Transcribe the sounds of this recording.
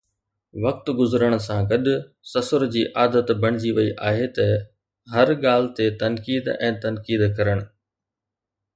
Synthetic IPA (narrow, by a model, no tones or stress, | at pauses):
ʋɐk̚t̪ɡʊzɾəɽ̃ʊ̆sãɡɐɗʊ̆ | sɐsəɾd͡ʑiːʔaːd̪ət̪bʱɐɽ̃ɪd͡ʑiʋɐiʔaːɦet̪ɐ | ɦɐɾɠaːl̤ɪt̪et̪ɐnkiːd̪ɛ̰̃ːt̪ɐnkiːd̪kɐɾəɽ̃ʊ̆